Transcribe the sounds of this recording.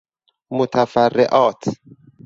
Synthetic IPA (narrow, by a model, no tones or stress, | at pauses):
mot̪ʰæfærːḛʔɒːt̪ʰ